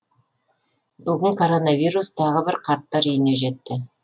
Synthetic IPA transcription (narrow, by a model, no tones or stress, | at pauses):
bʏɡʲɪŋkʰo̞ɾo̞navijrust̪ʰɑʁəbɪɾqʰɑɾt̪ːɑɾʏjɪne̞ʒe̞t̪ːɪ